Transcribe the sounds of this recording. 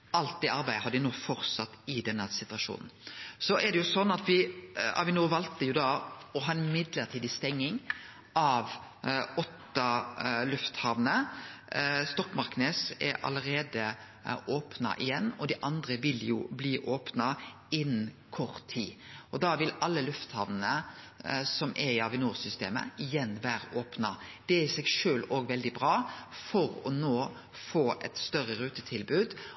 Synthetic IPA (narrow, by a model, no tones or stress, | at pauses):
ʔɑlt̪̚d̪ɛːɑɾbæɪd̪əɦɑd̪ɪnoːfɔɾsɑt̪ːɪd̪ɛnːəsɪt̪ʉʋɑʂṵːnn̩sɔʔɛɾd̪ɛjʊsɔnːɑt̪ʋɪɑ̰ʋɪnoːʋɑlt̪əjʊd̪ɑːɔɦɑːɛnmɪd̪ləɾt̪ʰiːd̪ɪst̪ɛŋːɪŋ | ʔɑʋ | ɔt̪ːɑlʉft̪hɑʋnə | st̪ɔkmɑɾkneːsɛ̰ɾɑ̰ləɾeːd̪ə | oːpnɑ̰ʔɪjɛnːɔd̪ɪʔɑnd̪ɾəʋɪljʊ̰bliːʔoːpnɑ | ɪn | kʰɔɾt̪ʰːiːɔd̪ɑʋɪlɑlːəlʉft̪hɑʋnnə | sɔmʔɛɪɑʋɪnuːɾsʏst̪ḛːmə̰ɪjɛnːʋæːɾəʔoːpnɑd̪̥ɛɪsɛɡʃøːloːɡʋɛld̪ɪbɾɑːfɔɾɔnoː | foːʔɛt̪st̪œɾːəɾʉːt̪ət̪ʰɪlbʉːd̪